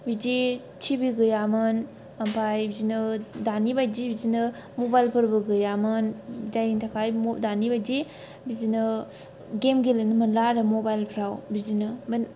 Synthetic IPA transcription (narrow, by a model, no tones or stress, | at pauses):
bid͡ʒi | t͡ʃʰibiɡɯjamɯn | ampʰajbizinɯdanibajd͡ʒibizinɯ | mobajlpʰɯɾbɯɡɯjamɯnd͡ʒajintʰakʰajmdanibajd͡ʒi | bizinɯ | ɡemɡelɯnɯmɯnlaɾɯmobajlpʰɾawbizinɯbn